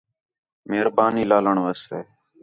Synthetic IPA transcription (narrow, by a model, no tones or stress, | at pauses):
meɦɾbaːniːlaːləɳʋəst̪eː